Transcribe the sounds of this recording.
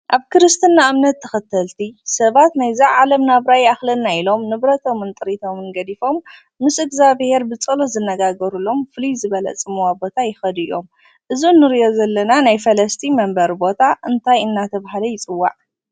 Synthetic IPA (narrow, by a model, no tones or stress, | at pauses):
ʔaβkʰɨɾɨst̪ʰɨnːaʔamnɐt̪ʰːɐxɐt̪ʰːɐlt̪ʰisɐβat̪najzɐʕalɐmnaβɾajaxlɐnːailo̞mnɨβɾɐt̪ʰo̞mɨnt̪ʼɨɾit̪ʰo̞mɨnɡɐd̪ifo̞mː | ɨsɨɡzaβhe̞ɾbɨt͡sʼɐlozɨnːɐɡaɡɐɾulo̞mfɨlizɨβɐlɐ̰t͡sʼɨmuwabo̞t̪ʰajɪxɐd̪ɨjo̞m | ʔɨzunːɨɾijo̞zɐlːɐnanajfɐlɐst̪ʰimɐmbɐɾbo̞t̪ʰaʔɨnt̪ʰajɨnːat̪ʰɐβahalɐjɪt͡sʼɨwːa̰ʕ